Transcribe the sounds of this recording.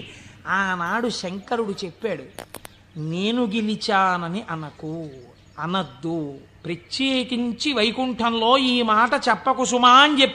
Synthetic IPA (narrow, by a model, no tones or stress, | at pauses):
aːnaːɽuʃɐŋkɐɾuɽut͡ʃepːaːɽu | ne̞ːnuɡilit͡ʃaːnɐniʔɐnɐku | ɐnɐd̪ːupɾɐt͡ʃːeːkiɲt͡ʃiʋɐjkuɳʈɐnlo̞ːiːmaːʈɐt͡ʃɛpːɐkusumaːɐnd͡ʒepː